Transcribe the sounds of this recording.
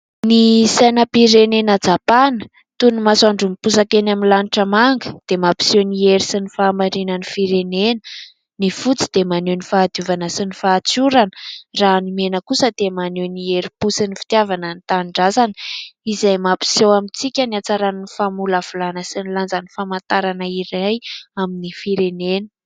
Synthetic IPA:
nisajnəpiɾenenad͡zapanə̥ | t̪unimasaɳɖ͡ʐumipusakenaminlaniʈ͡ʂəmaŋɡə̥d̪̥emapi̥sewnieɾisinifaːmaɾinənifiɾenenə̥ | nifut͡si̥d̪̥emanewnifaːd̪juvanəsinifaːt͡suɾanəraːnimenəkusəd̪̥emanewnieɾipusinifi̥t̪javanənit̪aɳɖ͡ʐazanə̥izajmapi̥sewamit͡sikʲəniat͡saɾannifamulav̥ulanəsiniland͡zanifamant̪aɾanəiɾajaminifiɾenenə

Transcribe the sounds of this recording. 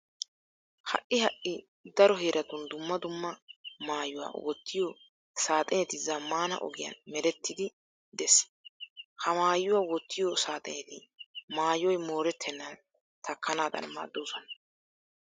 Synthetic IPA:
hɐ̰ʔɪhɐʔːɪ | d̪ɐɾɔɦeːɾʔɐt̪ʊnd̪ʊmːɐd̪ʊmːɐmaːjʊwa̰ːwɔt̪ːɪjo | saːt̪ʼɛnɛt̪ɪzamaːnɐ̰ʔɔ̰ɡɪjɐ̰nmɛɾɛt̪ːɪd̪ɪ | d̪ɛs | hɐmaːjːʊwaːwɔt̪ːɪjɔsaːt̪ʼɛ̰nɛt̪ɪmaːjɔjmo̞ːɾɛt̪ʰːɛnːɐn | t̪ʰɐkːɐnaːd̪ɐ̰nma̰ːd̪ːowʊsɔnɐ

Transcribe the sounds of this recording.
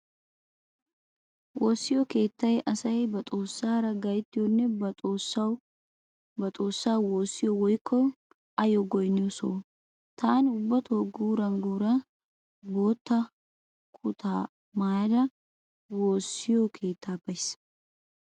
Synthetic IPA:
woːsːɪjɔke̞ːt̪ːɐjɛʔɐsɐjɛbɐt̪ʼoːsːaːɾɐɡɐjɪt̪ːɪjonːɛosɐw | bɐt̪ʼoːsːaːwwoːsːɪjɔwɔjkʰːɔ | ʔɐjɔɡɔjnːɛso̰ | t̪ʰaːnʊbːɐt̪ʰoɡuːɾɐŋɡuːɾɐ | boːt̪ːɐ | kʰʊt̪ʰaː | maːd̪ɐ | woːsɪjokʰe̞ːt̪ʰːaːbɐjs

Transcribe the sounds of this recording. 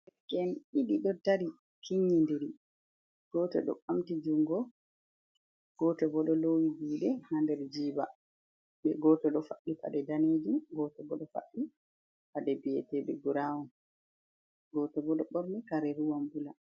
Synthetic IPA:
kɛniɗiɗɔtaɾi | kʰiɲːindiɾi | ɡ̥ɔtɔ̰ɗɔ̰amtid͡ʒuŋɡɔ | ɡ̥ɔtɔbɔɗɔlowihuːɗɛhandɛɾd͡ʒiːba | ɓɛɡɔtɔɗɔfaɗːifa̰ɗɛdaneːd͡ʒumɡɔtɔbɔɗɔfa̰ɗi | faɗɛbiɛ̰tɛɓɛɡuɾawum | ɡɔtɔbɔɗɔɓɔɾnikaɾɛɾuwambula

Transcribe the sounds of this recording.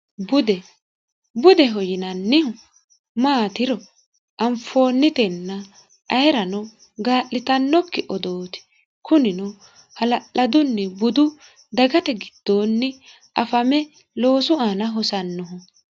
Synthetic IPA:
bʊd̪ɛ | bʊd̪ɛɦɔjɪnɐnːɪhʊ | maːt̪ɪɾɔ | ʔɐmfo̞ːnːɪt̪ɛnːɐ | ʔɐjɛɾɐnɔ | ɡaːʔːɪt̪ɐnːɔkːɪʔɔd̪oːt̪ɪ̥ | kʊnɪnɔ | hɐlɐʔɐd̪ʊnːɛbʊd̪ʊ | d̪ɐɡɐt̪ɛɡɪd̪̥ːo̞ːnːɛ | ʔɐfɐmɛ | lo̞ːsʊanɐɦɔsɐnːɔɦʊ

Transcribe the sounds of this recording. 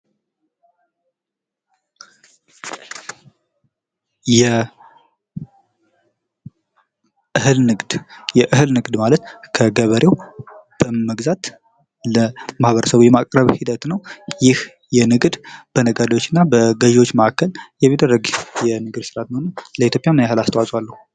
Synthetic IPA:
jɛ | ʔɨhɨlnɨɡd̪jɛʔɨɦɨlnɨɡd̪malət̪kʰəɡəβəɾewb̥əməɡzat̪ | ləmahβəɾəsəβujɛmakʼɾəβhid̪ət̪nəwjɪh | jɛnɨɡd̪b̥ənəɡad̪awo̞t͡ʃːɪnːabəɡəʒwot͡ʃːməʔakːəljɛmid̪ərːəɡjɛnɨɡɨd̪sɨɾat̪məhonənləit̪ʰjo̞pʼjamnjahɨlast̪ʰəwat͡ʃʼwalːəhu

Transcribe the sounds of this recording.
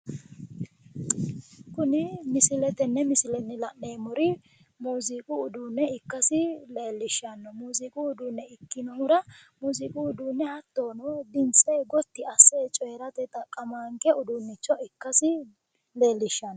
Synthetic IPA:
kʊnɪmɪsɪlɛt̪ɛnːɛmɪsɪlɛnːɪlɐʔːejmɔɾɪ | muːzɪkʼʊːd̪uːnːɛɪkːɐsɪle̞ːlːɪʃːɐnːɔmuːzɪkʼʊːd̪unːɛɪkːɪnɔhʊɾɐmuːzɪkʼuːd̪uːnːɛhɐt̪ːoːnɔd̪ɪnt͡sʼɛɡɔt̪ːɪɐsːeːt͡ʃʼɔjɾɐt̪ɛt̪ʼːɐkʼɐmaːŋkɛʊd̪ʊnːɪt͡ʃːɔɪkːɐsɪ | le̞ːlːɪʃːɐnːɔ

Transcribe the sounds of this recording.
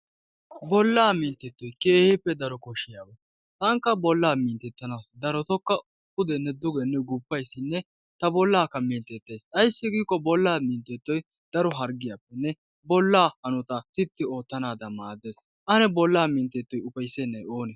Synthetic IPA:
bɔlːaːmɪnt̪ːɛt̪ːɔjkeːhɪpːɛd̪ɐɾɔkɔʃɪjaːwɐ | t̪ʼɐŋkːɐbɔlːaːmɪːnt̪ɛt̪ːɐnaːsd̪ɐɾɔt̪ɔkːɐʊpːʊd̪ɛnːɛd̪ʊɡɛnːɛɡupːɐjsːɪnːɛ | t̪ɐbɔlːaːkːɐmɪnt̪ɛt̪ːeːsʼɐjsːɪɡiːkːɔbɔlːaːmiːnt̪ɛt̪ːɔj | d̪̥ɐɾɔɦɐɾɡɪjapːɛnːɛ | bɔlːaːhɐnʊt̪ɐt̪ɪt̪ːɪo̞ːt̪ːɐnaːd̪ɐmaːd̪eːs | ʔɐnɛbɔlːaːmɪnt̪ːɛt̪ːɔjʊpɐjsɛnːɐjoːnɛs

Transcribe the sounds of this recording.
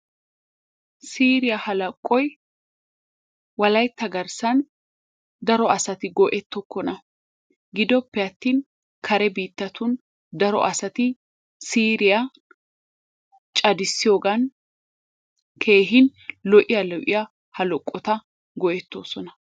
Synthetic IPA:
siːɾɪjɐhɐlɐkʼːɔj | wɐlɐjt̪ːɐɡɐɾsɐn | d̪ɐɾɔɐsɐt̪ɪɡɔʔɛt̪ːɔkːɔnɐ | ɡɪd̪ɔpːɛɐt̪ːiːn | kʰɐɾɛbiːt̪ːɐt̪ʊn | d̪ɐɾɔ̰ʔɐsɐt̪ɪ | siːɾɪjɐ | t͡ʃʼɐd̪ɪsːɪjoːɡɐn | kʰe̞ːɦɪnlɔʔɪjɐlɔʔɪjɐ | hɐlɔkʼːɔt̪ɐ | ɡɔʔɛt̪ːo̞ːsɔnɐ

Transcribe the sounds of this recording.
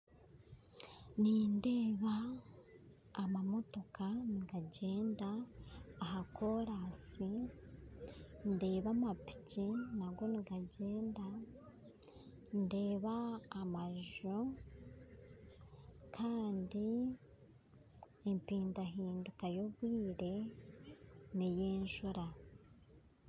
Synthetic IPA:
nindeːβa | mamo̞to̞kaniɡaɟe̞ːndaː | ɦako̞ɾasi | nde̞ːβamapi̥cinaɡwo̞niɡaɟe̞ːnda | nde̞ːβaːmaʒo | kʰaːndi | empiːndaɦiːndukajo̞βwiːɾe̞ | nejeːɲʃuɾa

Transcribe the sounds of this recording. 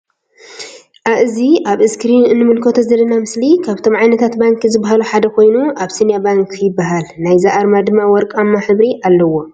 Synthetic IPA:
ʔaβɨziʔaβɨskɾinɨnːɨmɨlkʰot̪ʰozɐlːɐnamɨslikʰaβt̪ʰo̞mʕajnɐt̪ʰat̪baŋkʰizɨbːaɦaluħad̪ɐkʰo̞jnuʔaβsinjabaŋkʰjɪbːaɦalnajzaʔaɾmad̪ɨmːawɔɾkʼamːaħɨβɾiʔalːɐwo̞

